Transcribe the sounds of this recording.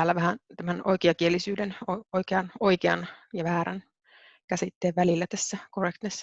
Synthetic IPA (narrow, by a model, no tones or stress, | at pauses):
æːlːæʋæhænt̪æmæno̰ikeɑkielːisyːdenooikeɑnoikeɑ̰njɑʋæːɾæ̰n | kæsit̪ːeːʋʋælilːæt̪æsːækorekt̪nesː